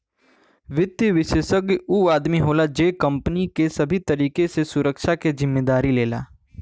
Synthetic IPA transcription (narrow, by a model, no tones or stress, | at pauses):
ʋɪt̪jʋɪʃeːʃəɡuːaːd̪miɦoːlad͡ʒeːkɐ̃mpnikesɐbʱit̪ɐɾiːkesesʊɾəkʃakezɪmːeːd̪aːɾileːla̰ː